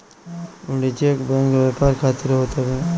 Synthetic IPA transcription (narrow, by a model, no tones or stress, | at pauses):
ʊɖit͡ʃeːkbɛ̃ːŋkʋaːpaɾkʰaːt̪ɪɾɦoːt̪abɛ̃